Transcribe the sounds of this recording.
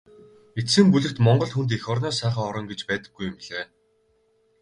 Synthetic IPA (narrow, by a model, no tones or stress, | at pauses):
esɘ̆mpuɮʲɘ̆rt̪mɔɴɢɞ̆ɮxunt̪̬exɔrnɔːsæːχaːɔɾɞ̆ŋɡet͡ɕpæːt̪ə̆ɡːujʊmɮeː